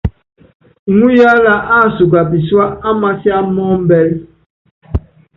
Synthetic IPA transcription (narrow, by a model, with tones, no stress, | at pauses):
ŋu˦ja˦la˨ʔa˦˨su˨ɡa˨pi˨swa˦a˦ma˦si˦a˦mɔ˦m̩˦bɛ˦l